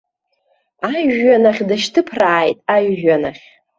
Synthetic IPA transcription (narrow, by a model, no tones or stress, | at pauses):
ajanaχʲdaʃtʰɨpʰraːjtʼaɥːanaχʲ